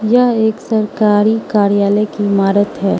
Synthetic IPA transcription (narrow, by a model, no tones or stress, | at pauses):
jɐɦeːksɐɾkaːɾikaːɾjaːləkimaːɾət̪ɦɛː